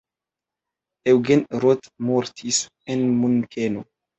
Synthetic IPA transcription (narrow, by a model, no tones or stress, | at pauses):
ewɡɛnɾɔt̪mɔɾt̪ʰis | ɛnmuŋkʰeno